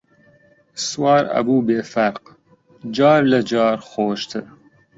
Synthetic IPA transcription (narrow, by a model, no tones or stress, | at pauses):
swɑːɾɐ̰buːbeːfɐɾq | d͡ʒɑːɾlɐd͡ʒɑːɾxoːʃt̪ʰɨ